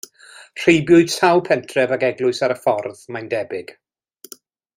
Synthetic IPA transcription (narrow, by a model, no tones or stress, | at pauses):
r̥ejbjʊɨd̥sawpʰɛntʰrɛvaɡɛɡlʊɨsaɾəfɔrðmandɛbɪɡ̥